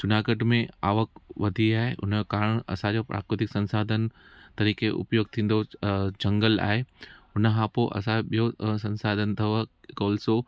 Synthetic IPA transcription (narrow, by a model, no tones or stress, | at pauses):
t͡ɕʊnaːkəʈmẽa̰ːʋəkʋɐd̪ʱiaːɦeʔʊ̰nokaːɾəɽ̃ɐ̰sãd͡ʑoːpɾa̰ːkɾɪt̪ɪksɐ̃nsaːd̪ʱənt̪ɐɾiːkeʔʊ̰pjoːɡ̚t̪ʰĩːn̆d̪od͡ʑɐ̃ŋɡəla̰ːɦeʊnəɦãːpoʔɐ̰sãɓijosɐ̃nsaːd̪ʱənt̪ʰɐʋkoːlso